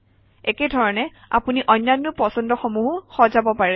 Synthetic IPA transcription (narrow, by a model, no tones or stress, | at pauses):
ɛkedʱɔɹɔnɛ | a̰puniʔɔjnːanːʊpɔsɔndɔxɔmuɦxɔzabɔpaɹɛ